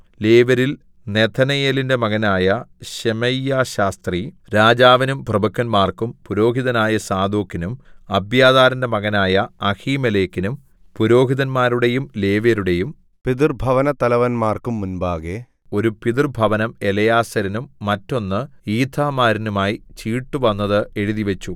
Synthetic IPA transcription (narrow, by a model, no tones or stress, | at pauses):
le̞ːʋɐɾil | ne̞t̪ʰɐnɐjeːlinde̞mɐɣɐnaːjɐɕemɐjːaːɕaːst̪ri | ɾaːd͡ʑaːʋinumprɐbɐkːɐnmaːrkumpuɾo̞ːɦiðɐnaːjɐsaːd̪oːkːinumɐbjaːd̪aːɾɐndemɐɣɐnaːjɐɐhiːmeleːkːinum | puɾo̞ːɦiðɐnmaːɾuɽe̞jumle̞ːʋjɐɾuɽe̞jum | piðirbʱɐʋɐnɐt̪ɐlɐʋɐnmaːrkumːunbaːɣe | o̞ɾupiðirbʱɐʋɐnɐme̞lɐjaːsɐɾinumːɐtːo̞nːɨiːd̪ʰʱaːmaːɾinumaːjit͡ɕiːʈːuʋɐnːɐðɨe̞ɻuðiʋet͡ɕːu